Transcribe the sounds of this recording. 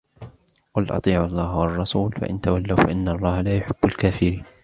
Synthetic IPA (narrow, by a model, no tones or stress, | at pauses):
qʊlʔɑ̰t̪ˤiːʕʔɑlˤːɑːɦwɑrˤːɑsuːlfa̰ʔɪ̰nt̪awalːawfaʔɪnːalˤːɑːhalaːjʊħɪbːalkaːfɪɾiːn